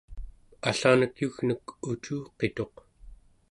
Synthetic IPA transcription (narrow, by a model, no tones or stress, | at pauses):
aɬaːnəkjuɣnəkut͡ʃuːqe̞t̪o̞q